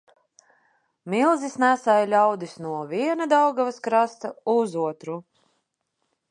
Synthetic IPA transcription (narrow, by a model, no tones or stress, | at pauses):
milˠzisnæsajlʲawd̪isnuɔvʲiɛnad̪awɡavaskɾast̪auzuɔt̪ɾu